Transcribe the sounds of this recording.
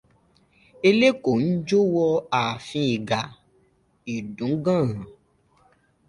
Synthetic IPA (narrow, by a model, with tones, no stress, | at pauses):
e˧le˦ko˨n̩˦d͡ʒo˦wɔ˧a˨fĩ˧i˨ɡa˨ | i˨dũ˨˦ɡã˦˨ɣã˨